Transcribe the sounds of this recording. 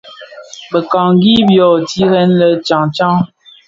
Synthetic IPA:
bə˨ka˨ŋɡi˦bjo˨ti˦ɣɛ˨˦nlə˨t͡ʃa˨ŋt͡ʃa˦ŋ

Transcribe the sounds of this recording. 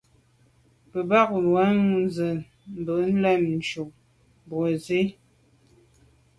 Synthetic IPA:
pə˨ba˦˨k̚wa˨˦ŋ˨n˦zə˨ | m̩˨bə˨ʔn̩˦lɛ˦˨mn̩˨t͡ʃu˨ʔ | bwo˨ze˦

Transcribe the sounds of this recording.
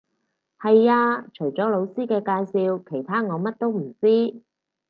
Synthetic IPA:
hɐ˨jaː˧t͡ʃʰɵ˨˩jt͡sɔː˨˥lo˨˧wsiː˥kɛː˧kaː˧jsiː˧wkʰe˨˩jt̪ʰaː˥ŋɔː˨˧mɐ˥t̚t̪o˥wm̩˨˩t͡siː˥

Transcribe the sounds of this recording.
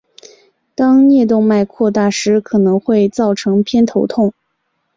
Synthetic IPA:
t̪ɑ˥ŋnjɛ˥˧t̪̬ʊ˥˧ŋma˥˧ɪkʰwɔ˥˧t̪a˥˩ʂɻ̩˧˥kʰɤ˨˩nɤ˧˥ŋxwe˥˧ɪt͡sɑ˥˩ʊʈ͡ʂʰɤ˧˥ŋpʰjɛ˥nt̪ʰo˧˥ʊt̪ʰʊ˥˩ŋ

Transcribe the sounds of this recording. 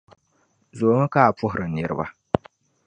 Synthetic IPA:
zo˨ŋɨ˦ka˦a˨pʊ˦ɦʊ˨ɾɨ˨n̩˦˨ɛ˨ɾɨ̰˨ba̰˦

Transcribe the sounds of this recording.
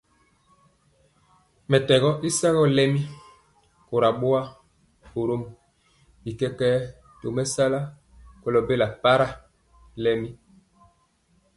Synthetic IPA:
mɛ˨tɛ˨ɣɔ˦ʔi˦sa˦ɣɔ˦lɛ˦mi˦ | ko˨ɾa˨ɓo˦a˦ | o˨ɾo˦m | i˨kɛ˦kɛː˦ | to˨mɛ˦sa˦la˦ | kɔ˦lɔ˨be˦la˨pa˦ɾa˦ | lɛ˦mi˦

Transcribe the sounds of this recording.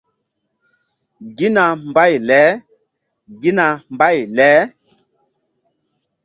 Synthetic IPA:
ɡi˦na˨mba˦˨jlɛ˨˦ | ɡi˦na˨mba˦˨jlɛ˨˦

